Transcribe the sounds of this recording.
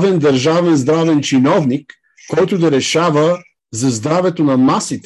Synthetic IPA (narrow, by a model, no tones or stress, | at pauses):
vɛnd̪ɐɾʒavɛnzd̪ɾavɛnt͡ʃinɔvnikː | ɔjt̪ʊd̪ɐɾɛʃavə | zɐzd̪ɾavɛt̪onɐmasit̪ɛ